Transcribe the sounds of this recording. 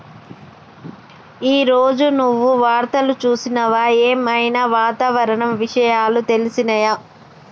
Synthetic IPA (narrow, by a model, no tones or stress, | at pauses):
iːɾoːd͡ʒunuʋːuʋaːɾt̪ɐlut͡ʃuːsinɐʋaːjeːmɐjnɐʋaːt̪aːʋɐɾɐɳɐmʋiʂɐjaːlut̪e̞lisinɐjɐ